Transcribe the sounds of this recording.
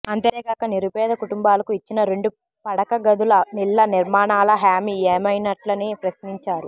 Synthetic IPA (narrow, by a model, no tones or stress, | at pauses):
ɐnt̪eːɡaːkɐniɾubɛːd̪ɐkuʈumbaːlɐkuit͡ʃːinɐɾe̞ɳɖu | pɐɽɐkɐɡɐd̪ulɐnilːɐniɾmaːɳaːlɐɦaːmieːmɐjnɐʈlɐnipɾɐsniɲt͡ʃaːɾu